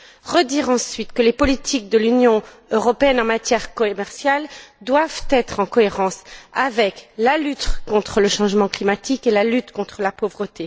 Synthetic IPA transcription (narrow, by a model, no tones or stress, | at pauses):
ʁəd̪iʁɑ̃sɥit̪kəlepɔlit̪ʰik̚d̪əlynjɔ̃ | øʁɔpeɛnɑ̃mat̪jɛʁkɔmɛʁsjald̪wavt̪ɛt̪χɑ̃kɔeʁɑ̃savɛklalyt̪kɔ̃t̪χələʃɑ̃ʒmɑ̃klimat̪ikelalyt̪kɔ̃t̪χəlapovʁət̪e